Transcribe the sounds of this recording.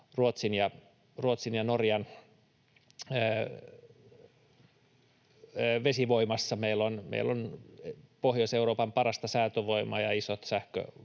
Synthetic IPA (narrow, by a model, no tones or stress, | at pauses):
ruot̪sinjɑ | ruot̪sinjɑnorjɑn | ʋesiʋoimɑsːɑmeilːonmḛilːˑon | pohjoseuroːpɑmpɑrɑst̪ɑsæːt̪øʋoimɑːjɑisot̪sæhkø̰